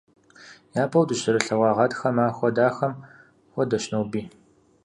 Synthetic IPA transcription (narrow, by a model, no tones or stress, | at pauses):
jaːpʰɐwdɨʃɪɾɨɬɐwɑːʁɐdxɐmaːxʷɔdaːxɐm | xʷɔdɐʃnɐwbiː